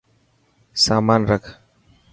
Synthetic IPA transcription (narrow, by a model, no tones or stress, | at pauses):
saːmaːnɾəkʰ